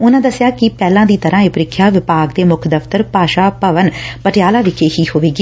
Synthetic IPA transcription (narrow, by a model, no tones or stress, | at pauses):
ʊnãːd̪əsɪjaːkɪpɛːlãːd̪iːt̪əɾʔãːeːpɾɪkʰːjaːʋɪpaːɡd̪eːmʊkʰd̪əft̪əɾpaːʃaːpəʋənpəʈɪjaːlaːʋɪkʰeːhiːɦoːʋeːɡiː